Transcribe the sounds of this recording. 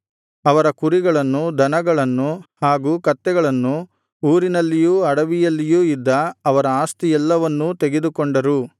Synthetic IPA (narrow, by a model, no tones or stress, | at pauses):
ɐʋɐɾɐkuɾiɡɐɭɐnːud̪ʱɐnɐɡɐɭɐnːuhaːɡuːkɐt̪ːɛɡɐɭɐnːu | uːɾinɐlːijuːɐɽɐʋijɐlːijuːid̪ːɐːʋɐɾɐaːst̪iɛlːɐʋɐnːut̪eɡe̞d̪ukoɳɖɐɾu